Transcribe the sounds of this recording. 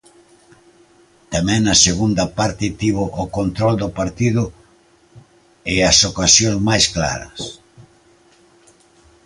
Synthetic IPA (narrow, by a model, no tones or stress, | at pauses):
t̪amɛ̃ŋnɐseɣund̪ɐpaɾt̪ɪt̪iβʊʔːkont̪ɾɔld̪ʊpaɾt̪iðʊ | ɪɐsokasjozmajskla̰ɾɐ̰s